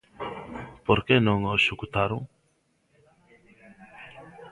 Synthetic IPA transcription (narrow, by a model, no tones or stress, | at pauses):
poɾkenõŋosukut̪aɾuŋ